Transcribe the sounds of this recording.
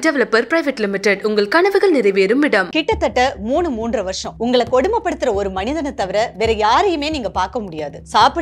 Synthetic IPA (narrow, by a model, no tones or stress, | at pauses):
ɖɛʋɛlɐpːɐɾpɾɐɪʋɛʈlɪmɪʈːɛɖʊŋɡɐɭkɐɳɐʋɯɣɐɭnɪɾɐɪʋeːɾɯmɪɽɐmkɪʈːɐt̪ːɐʈːɐmuːɳɯmuːndrɐʋɐɾʂɐ̃ʊŋɡɐɭɐkːɔɽɯmbɐpːɐɽɯt̪ːɯɾɐɔɾɯmɐnɪðɐnɐt̪ːɐʋɐɾɐʋɛːɾɐjaːɾɛjɯmeːniːŋɡɐpaːɾkɐmʊɽɪjaːðɯsaːpɪ